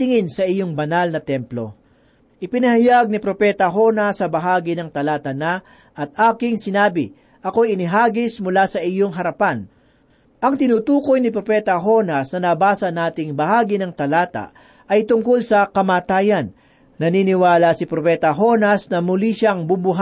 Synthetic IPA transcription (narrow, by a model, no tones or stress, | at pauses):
t̪ɪŋɪnsɐʔɪjoŋbɐnalnɐt̪ɛmplo̞̰ | ʔɪpɪnɐhɐjaɡ̚nɪpɾo̞pɛːt̪ɐɦo̞nɐsːɐbɐɦaːɡɪnɐŋt̪ɐlaːt̪ɐna | ʔɐt̪̚aːkɪŋsɪnaːbɪ | ʔɐko̞jɪnɪɦaːɡɪsmʊlasɐʔɪjoŋɦɐɾɐpan | ʔɐŋt̪ɪnuːt̪uːko̞jnɪpɾo̞pɛːt̪ɐɦo̞nɐsnɐnɐbaːsɐnaːt̪ɪŋbɐhaːɡɪnɐŋt̪ɐlaːt̪ɐ̰ | ʔɐjt̪ʊŋkolsɐkɐmaːt̪aːjɐnː | ɐniːnɪwaːlɐsɪpɾopɛːt̪ɐɦo̞nɐsnɐmʊliʃaŋbubʊɦ